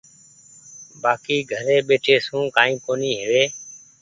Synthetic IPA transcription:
baːkiːɡʱəɾeːɓeːʈʰeːsũːkaːĩːkoːniːɦɪʋeː

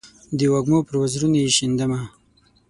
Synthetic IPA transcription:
d̪əwaɡmopəɾwazɾunajeʃind̪əma

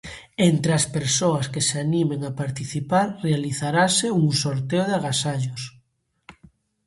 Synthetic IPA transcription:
ent̪ɾeaspeɾsoaskeseanimeŋapaɾt̪iθipaɾrealiθaɾaseuŋsoɾt̪eoðaɣasaʎos

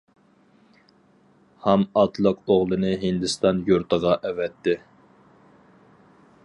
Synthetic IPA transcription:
hɛmɑt̪ʰlˠəqoʁlˠɨnɨɦɪnd̪ɨst̪ɑnjuɾt̪ʰəʁɑʔɛvɛt̪ʰːɪ

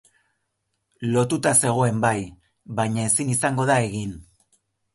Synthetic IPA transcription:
lo̞t̪ut̪ase̞ɣ̞o̞e̞mbaj | βajɲae̞sinisaŋɡo̞ð̞ae̞ɣin

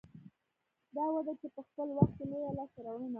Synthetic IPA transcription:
d̪ɑwad̪at͡ʃepəxpəlwaxt̪̚kelojalɑsaɾawɽəna

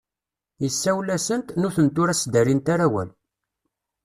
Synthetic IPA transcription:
jəsːæwlæsənt̪nʊθənt̪ːʊɾæsd̪æɾint̪aɾæwæ̰l

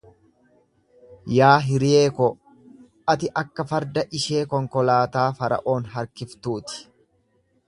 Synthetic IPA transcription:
jaːɦɪɾɪjeːkɔ | ɐt̪ɪʔɐkːɐfɐɾd̪ɐʔɪʃe̞ːkɔŋkɔlaːt̪aːfɐɾɐ̰ʔo̞ːnɦɐɾkɪft̪uːt̪ɪ̥

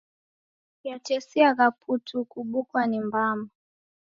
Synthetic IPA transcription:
jatɛsiaɣapʰutʰukuɓukwanimbama

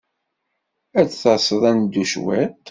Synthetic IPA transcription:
æt͡sθɑsəðˤænd̪ːuʃwæ̰t̪

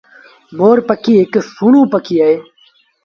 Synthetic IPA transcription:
moːɾpəkiːɪksuːnũːpəkʰiːaːeː

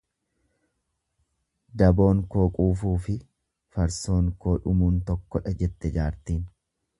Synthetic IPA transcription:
d̪ɐbo̞ːŋko̞ːkʼuːfuːfɪ | fɐɾso̞ːŋkoːᶑʊmuːnt̪ɔkːɔᶑɐd͡ʒɛt̪ːɛd͡ʒaːɾt̪iːn

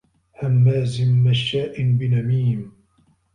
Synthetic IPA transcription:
hamːaːzɪmːaʃːaːʔɪnbɪnamiːm

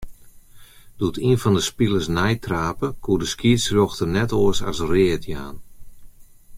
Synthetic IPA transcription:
d̥uətinfɔndəspilˠəsnɛjtraːpəkʰuədəskiəsroxtənɛtoəsa̰srɪːtʰja̰ːn

